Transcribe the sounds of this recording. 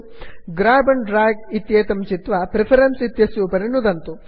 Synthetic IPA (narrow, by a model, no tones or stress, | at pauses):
ɡɾaːbɐnɖɾaːɡit̪jeːt̪ɐmt͡ʃit̪ʋɐpɾepʰɐɾɐnsit̪jɐsjuːpɐɾinud̪ɐnt̪u